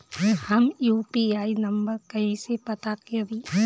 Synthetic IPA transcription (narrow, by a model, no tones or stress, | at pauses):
hɐmjuːpiaːinɐ̃mbəɾkɐĩsepɐt̪akeʋi